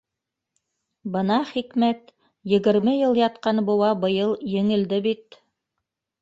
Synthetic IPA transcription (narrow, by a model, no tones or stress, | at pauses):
bɤnɑχikmæt̪ | jɘ̆ɡɘ̆ɾmɘjɤlˠjɑt̪qɑnbɤ̆wɑbɤ̆jɤlˠjɘ̆ŋɘ̆ld̪ɘbit̪